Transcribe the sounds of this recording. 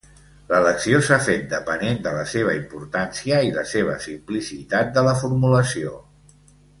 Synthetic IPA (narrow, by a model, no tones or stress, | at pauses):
lələksiosafet̪̚d̪əpənend̪ələseβ̞əimpuɾt̪ansiəiləseβ̞ə̰simplisit̪at̪̚d̪ələfuɾmuləsio